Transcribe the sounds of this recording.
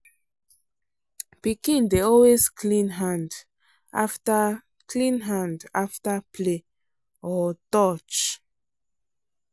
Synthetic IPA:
pikĩndeɔlweskʰlĩnɦãnd | ʔa̰ftə | kʰlĩnɦãndaftapʰle | ɔtɔt͡ʃ

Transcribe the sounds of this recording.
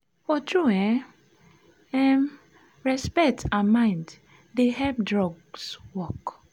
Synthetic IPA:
fɔtɹuɛ | ɛm | ɹɛspɛk̚tʰaamãɪ̃nd | deɦɛpdɹɔɡswɔk

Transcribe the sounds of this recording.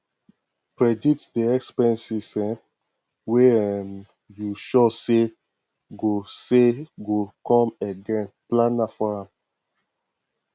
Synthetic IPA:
kɹɛditdiɛkspɛ̃nsisɛ̃m | wem | juʃɔse | ɡoseɡokɔ̃mɛɡɛ̃nplãnafɔɹãm

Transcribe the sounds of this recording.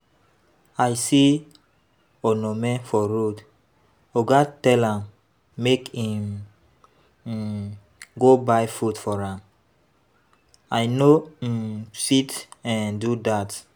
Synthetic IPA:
ajsi | onɔmɛ̃fɔɹod | oɡatɛlãmː | ekĩm | ɡobajfutfɔɹãm | ajno | sitɛ̃ndudat

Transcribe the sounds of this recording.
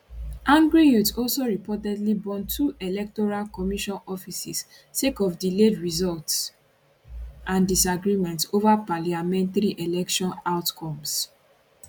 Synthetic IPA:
ʔãŋɡɹijutɔlsoɹipɔtɛdlibɔ̃ntʰuʔelɛk̚tɔɹalkɔmiʃɔ̃nɔfisis | sekɔfdiledɹizɔlts | ʔãndisaɡɹimɛ̃ntsovapaliamɛ̃ntaɹiʔelɛkʃɔ̃naʊtkʰɔ̃ms

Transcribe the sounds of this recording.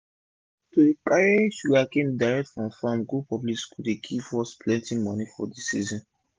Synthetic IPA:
tudikaɹaʃuakẽmdaɹɛk̚tfɹɔ̃mfãmɡupʰɔbliskʰudekʰifɔspʰlɛ̃ntĩŋmɔnifɔdisizɔ̃n

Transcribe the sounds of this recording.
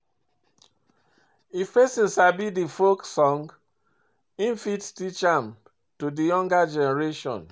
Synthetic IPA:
ifpɛsĩnsabidifoksɔ̃ŋɡ | ĩnfittit͡ʃam | tudijɔ̃ŋɡad͡ʒɛnɛɹeʃɔ̰̃n

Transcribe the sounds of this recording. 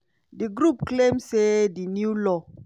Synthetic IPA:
diɡɾupklẽmsedinjulɔ

